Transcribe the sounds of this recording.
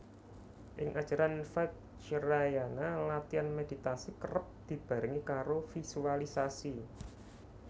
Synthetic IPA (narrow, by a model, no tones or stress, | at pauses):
ʔɪŋʔḁʒ̥a̤ɾanfɛt̪̚ | t͡ʃəɾajanalat̪ianmedi̤t̪asikərəp̚d̪̥i̤b̥a̤ɾɪŋikaɾofisualisasi